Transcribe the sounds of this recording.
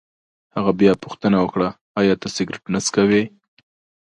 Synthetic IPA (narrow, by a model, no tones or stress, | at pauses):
haɣabjɑpʊxt̪ənawəkɽaː | jɑt̪asɪɡɾɪʈnaskawe